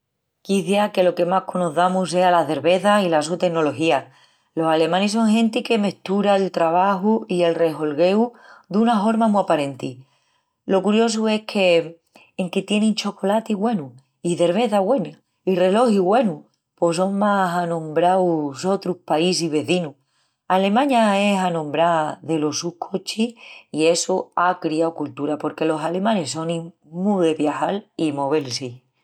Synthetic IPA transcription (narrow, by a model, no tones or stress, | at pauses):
kiθjake̞lo̞ke̞mahkʰonoθamuse̞alaθe̞ɾβe̞θailasut̪e̞ɡno̞lo̞xia | lo̞sale̞mãnes̬o̞ŋɦẽ̞nt̪ike̞me̞ht̪uɾaelt̪ɾaβ̞axuie̞lre̞ɦo̞lɣe̞ud̪unafo̞ɾmamuapaɾẽ̞nt̪i | lo̞kuɾjo̞s̬ue̞kʰe̞ː | ŋket̪je̞nẽŋt͡ʃo̞ko̞lat̪iɣwe̞nu | iθe̞ɾβeθaɣwe̞na | ire̞lo̞hiɣwe̞nu | poso̞ŋmasanõ̞mbɾawso̞t̪ɾuhpais̬iβe̞θinu | ale̞mãɲae̞sanõ̞mbɾaðe̞lo̞sukʰot͡ʃiie̞soakɾiaokult̪uɾapo̞ɾke̞lo̞sale̞mãne̞so̞nĩ | muðe̞βjaxalimo̞βelsi